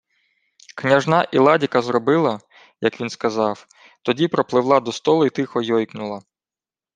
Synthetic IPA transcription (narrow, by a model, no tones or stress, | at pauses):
knʲɐʒnɑʔilˠɑdʲikɐzrɔbɪlˠɐ | jɐkʋʲinskɐzɑw | t̪ɔdʲipɾɔplˠɪwlˠɑd̪ɔst̪ɔlˠʊit̪ɪxɔjɔjknʊlˠɐ